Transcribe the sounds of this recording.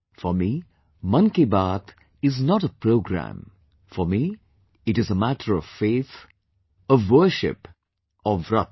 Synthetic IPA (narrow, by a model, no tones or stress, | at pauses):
fəmi | mʌ̃nkebat̪ | ɪznɔɾəpɹoʊɡɾæ̰̃m | fɔmi | ɨɾɨzəmæʈʰə˞ʌv̥feːt̪ | əvwə˞ʃɪ̰p | ɔvɾʌ̰t̪